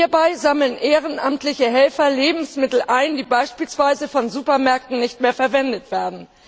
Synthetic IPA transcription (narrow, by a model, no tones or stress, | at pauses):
iɐbaɪzaml̩ənʔeːʁ̞ənʔa̰mtlɪçəɦɛlfɐleːbm̩smɪtl̩ʔaɪndiːbaɪʃpiːlsv̥aɪzəfɔnzuːpɐmɛɐk̚tn̩nɪçtmeːɐfɛɐvɛndətv̥eːɐdn̩